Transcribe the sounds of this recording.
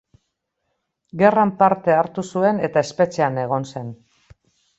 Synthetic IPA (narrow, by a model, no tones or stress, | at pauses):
ɡe̞rampaɾt̪e̞aɾt̪usue̞ne̞t̪ae̞spe̞t͡ʃeane̞ɣo̞nse̞n